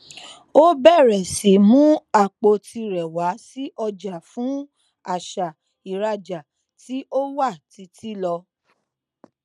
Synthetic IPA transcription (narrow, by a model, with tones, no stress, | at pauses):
o˦bɛ˦˨ɾɛ˨si˨mũ˦a˦˨k͡po˧tʰi˧ɾɛ˨wa˨˦si˦ʔɔ˧d͡ʒa˨fũ˨˦ | a˦˨ʃa˨ | i˨ɾa˧d͡ʒa˨ | ti˦ʔo˦wa˦˨ti˧˦ti˦lɔ˧